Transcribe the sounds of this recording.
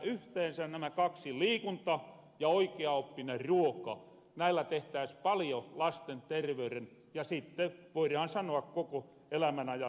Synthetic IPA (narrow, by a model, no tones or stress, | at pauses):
yht̪eːnsænnæmækɑksiliːkunt̪ɑ | jɑoikeɑopːineruokɑ̰ | næilːæt̪eht̪æˑispɑljolɑst̪ent̪erʋeyren | jɑsit̪ːeʋoirɑːˑnsɑnoɑkkoko | elæmænɑjɑ